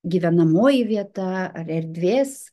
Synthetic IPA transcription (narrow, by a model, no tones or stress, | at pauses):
ɡʲiːʋʲɛnɐmoːjɪʋʲiɛt̪ɐɐɾɛɾʲd̪ʲʋʲeːs